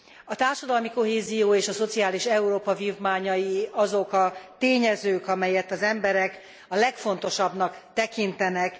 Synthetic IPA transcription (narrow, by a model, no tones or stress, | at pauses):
ɒt̪aːrʃɒd̪ɒlmiko̞ɦeːzijoːeːʃɒso̞t̪siaːliʃɛuɾoːpɒvivmaːɲɒjiɒzo̞kɒt̪eːɲɛzøːkɒmɛjɛt̪ːɒzɛmbɛɾɛk | ɒlɛkfo̞n̪t̪o̞ʃɒbnɒkt̪ɛkint̪ɛnɛk